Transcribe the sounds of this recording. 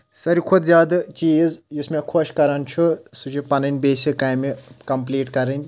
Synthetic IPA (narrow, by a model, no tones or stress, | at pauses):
sɐɾikʰud̪zʲjaːd̪ɨt͡ʃiːzjismẽkʰoʃkɐɾɐnt͡ʃʰusut͡ʃʰipɐnɐnʲbeːsikaːjmikɐmpliːʈkɐɾɐnʲ